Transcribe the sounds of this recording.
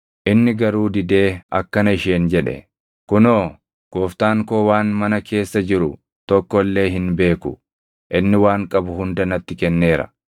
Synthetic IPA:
ʔɪnːɪɡɐɾuːd̪ɪd̪e̞ːɐ̰kːɐnɐɪʃe̞ːnd͡ʒɛᶑɛ̰ | kʊno̞ː | ɡ̥oːft̪aːŋko̞ːwaːnmɐnɐkʰe̞ːsːɐd͡ʒɪɾʊ | t̪ɔkːɔlːe̞ːɦɪnbe̞ːkʊ̰ | ʔɪnːɪwaːŋkʼɐbʊɦʊnd̪ɐnɐt̪ːɪkɛnːe̞ːɾɐ̰

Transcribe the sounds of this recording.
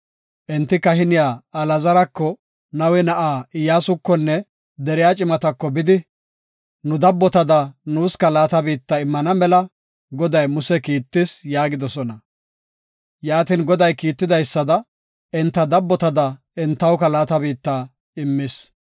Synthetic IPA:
ʔɛnt̪ːɪkɐhɪnɪjaːɐlɐzɐɾɐkːɔ | nɐwɛnɐʔaːɪjaːsʊkːɔnːɛ | d̪ɛɾɪjaːt͡ʃʼɪmɐt̪ɐkːɔbɪd̪ɪ | nʊd̪ɐbːɔt̪ɐd̪ɐnuːskɐlaːt̪ɐbiːt̪ːɐɪmːɐnɐmɛlɐ | ɡɔd̪ɐjmʊsɛkiːt̪ːɪsjaːɡɪd̪ɔsɔnɐ | jaːt̪ɪnɡɔd̪ɐjkiːt̪ːɪd̪ɐjsːɐd̪ɐ | ɛnt̪ːɐd̪ɐbːɔt̪ɐd̪ɐ | ɛnt̪ːɐwkɐlaːt̪ɐbiːt̪ːaː | ɪmːɪs

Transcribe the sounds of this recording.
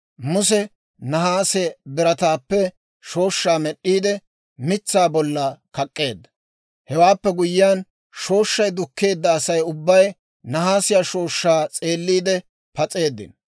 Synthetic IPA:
mʊs̬ɛ | nɐhaːsɛbɪɾɐt̪aːpːɛ | ʃo̞ːʃːaːmɛɗːiːd̪ɛ | mɪt͡sːaːbɔlːɐkɐkʼːe̞ːd̪ːɐ̥ | hɛwaːpːɛɡʊjɪjaːn | ʃo̞ːʃːɐjd̪ʊkːe̞ːd̪ːɐːsɐjʊbːɐj | nɐhaːsɪjaːʃo̞ːʃːaːt͡sʼe̞ːlːiːd̪ɛ | pɐt͡sʼe̞ːd̪ːɪ̰n

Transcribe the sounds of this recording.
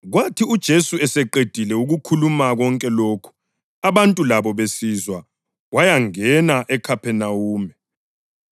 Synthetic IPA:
ɣwatʰiud̥ʒ̥ʱesuɛsɛǃed̥ʱilɛuɣukʰulumaɣɔŋkʼɛloːkʰu̥ | aβantʼulaβɔβesizwa | wajaŋɛnaʔɛkʰapʰɛnauːmɛ

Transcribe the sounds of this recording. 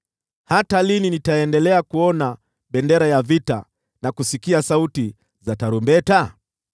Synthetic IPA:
hatalininitaɛndɛlɛakuɔna | ɓɛndɛɾajavita̰ | nakusikiasauti | zataɾumbɛta

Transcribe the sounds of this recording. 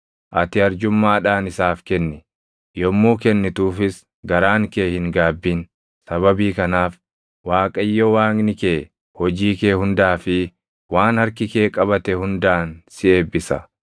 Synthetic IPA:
ʔɐt̪ɪɐɾd͡ʒʊmːaːᶑaːnɪsaːfkɛnːɪ | jɔmːuːkɛnːɪt̪uːfɪs | ɡɐɾaːŋkeːhɪŋɡaːbːiːn | sɐβɐbiːkɐnaːf | waːkʼɐjːɔwaːɡnɪkeː | hɔd͡ʒiːkeːhʊnd̪aːfɪ | waːnhɐɾkɪke̞ːkʼɐβɐt̪ɛhʊnd̪aːnsɪʔe̞ːbːɪsɐ̰

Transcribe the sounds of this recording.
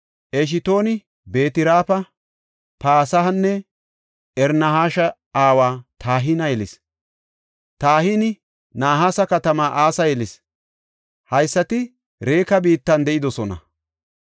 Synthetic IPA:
ʔɛʃ̬ɪt̪o̞ːnɪ | be̞ːt̪ɪɾaːpɐ | paːsɐɦɐnːɛ | ɛɾnɐɦaːʃɐ | aːwaːt̪ʰaːɦinɐjɛlɪs | t̪aːhinɪ | naːɦaːsɐkɐt̪ɐmaːʔaːsɐjɛlɪs | hɐjsːɐt̪ɪ | ɾe̞ːkɐbiːt̪ːɐnd̪ɛʔɪd̪ɔsɔnɐ̰

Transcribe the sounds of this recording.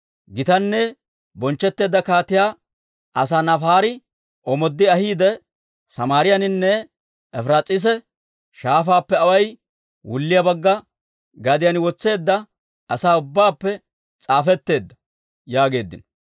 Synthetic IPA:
ɡɪt̪ɐnːɛ | bɔnt͡ʃːɛt̪ːe̞ːd̪ːɐkaːt̪ɪjaː | ɐsaːnɐfaːɾɪ | ʔɔmɔd̪ːɪɐhiːd̪ɛ | sɐmaːɾɪjɐnɪnːɛ | ɛfɾaːt͡sʼɪs̬ɛ | ʃaːfaːpːɛɐwɐj | wʊ̰lːɪjɐbɐɡːɐ | ɡɐd̪ɪjɐnɪwɔt͡sːe̞ːd̪ːɐ | ɐsaːʊbːaːpːɛ | t͡sʼaːfɛt̪ːe̞ːd̪ːɐ̥ | jaːɡe̞ːd̪ːɪ̰nɔ

